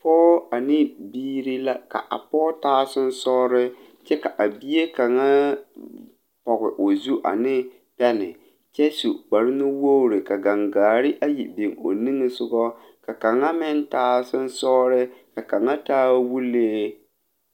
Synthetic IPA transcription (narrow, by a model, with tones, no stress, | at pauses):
pɔː˦a˨nɪ˦biː˦ɾi˦la˦ka̰˨ʔa̰˨pɔː˦taː˦sʊ˦n˦sɔ˦ɾɪ˦ | t͡ʃɛ˦ka˨ʔa˨bi˦e˦ka˨ŋa˦ | pɔ˨ɣɪ˨ʔo˨zu˦ʔa̰˨nɪ˦ | pɛ˦nɪ̰˨ | t͡ʃɛ˦su˨k͡pa˨ɾɪ˦nʊ˦wo˦ɾɪ˨ka˨ɡa˨ŋɡaː˨ɾɪ˦ʔa˦jḭ˨bi˨ŋo̰˨nɪ˦ŋɪ˨sʊ˦ɡɔ˦ | ka˨ka˨ŋa˦mɪ˦ntaː˦sʊ˦n˦sɔː˦ɾɪ˦ka˨ka˨ŋa˦taː˦wu˦leː˦